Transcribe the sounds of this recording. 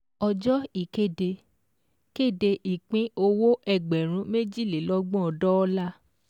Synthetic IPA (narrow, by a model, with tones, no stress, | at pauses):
ɔ˧d͡ʒɔ˦i˦˨ke˦˨de˧ | ke˦˨de˧ʔi˨k͡pĩ˦o˧wo˦ʔɛ˦˨ɡ͡bɛ˨ɾ̃ũ˨˦me˦d͡ʒi˦˨le˨˦lɔ˦ɡ͡bɔ̃˦ɔ˧dɔ˦ɔ˦la˦